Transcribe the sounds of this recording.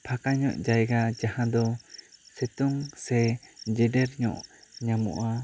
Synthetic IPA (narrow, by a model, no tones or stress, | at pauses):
pʰakaɲɔ̰ʔd͡ʒajɡad͡ʒahãd̪ɔsɛt̪uŋsɛd͡ʒɛɖɛɾɲɔ̰ʔɲamṵ̃ʔa